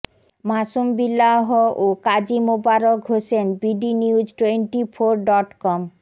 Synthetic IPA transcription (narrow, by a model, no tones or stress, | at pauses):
maʃumbilːaɦoʔokad͡ʑimobaɾokɦoʃenbiɖiniud͡ʑʈweɳʈifʰoɾɖɔʈkɔm